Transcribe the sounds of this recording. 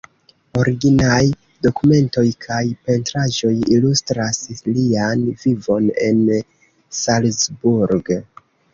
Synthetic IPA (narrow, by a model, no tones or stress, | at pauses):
o̞ɾiɡinaj | do̞kume̞nto̞jkʰajpe̞ntɾaʒo̞jilustɾaslianvivo̞ne̞n | salsbuɾɡ